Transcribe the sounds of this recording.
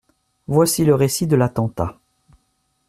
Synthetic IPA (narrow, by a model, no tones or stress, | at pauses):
vwasiləʁesid̪əlat̪ɑ̃t̪a